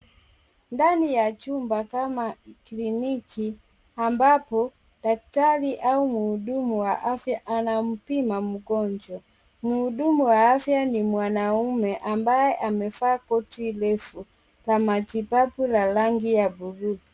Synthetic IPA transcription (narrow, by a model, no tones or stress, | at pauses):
ndanijat͡ʃumbakamaklinikʰi | ambapɔ | daktaliʔaumuːɗumuwaʔafjaʔanam̩pimamuɡɔɲd͡ʒɔ | muːɗumuwaafjanimwanaumɛʔambajɛʔamɛfaːkɔtilɛfu | lamat͡ʃipapulalaŋɡijabuɾu